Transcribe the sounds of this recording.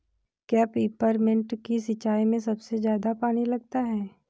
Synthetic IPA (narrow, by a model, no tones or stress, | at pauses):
kjaːpeːpəɾmɪ̃ɳʈkis̬ɪt͡ʃaːimẽsɐbsezjaːd̪apaːnilɐɡ̚t̪aɦɛː